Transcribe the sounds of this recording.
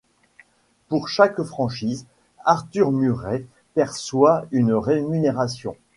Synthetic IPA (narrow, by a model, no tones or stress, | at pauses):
puʁʃakfχɑ̃ʃiːz | aʁt̪yʁmyʁɛ | pɛʁswaynʁemyneʁasjɔ̰̃